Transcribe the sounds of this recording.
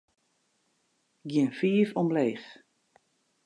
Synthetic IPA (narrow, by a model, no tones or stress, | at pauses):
ɡjɪnfiːəfɔmleːx